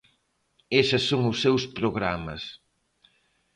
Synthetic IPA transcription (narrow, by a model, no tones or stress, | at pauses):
esɐsːoŋʊsːewspɾoɣɾamɐ̰s